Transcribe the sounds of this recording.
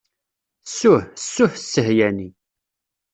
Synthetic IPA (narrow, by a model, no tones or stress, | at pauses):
sːʊħsːʊħsːəhjæni